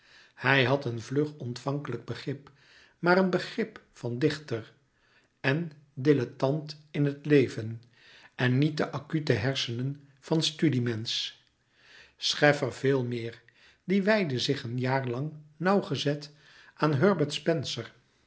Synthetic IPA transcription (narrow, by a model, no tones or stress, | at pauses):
hɛjɦɑtənvlɵχɔntfɑŋkələɡ̚bəχrɪp | maːɾənbəχrɪp | fɑndɪχtəɹ | ɛn | dɪlətɑntɪnɦətlejvən | ɛnːit̚dəʔɑkytəɦɛɹsənən | v̥ɑnstydimɛns | sχɛfərv̥ɪːlˠmɪːɹ | diʋɛjdəzɪχənjaːɹlɑŋnɑwχəzɛt | ʔaːnɦøɹbəɹtspɛnsəɹ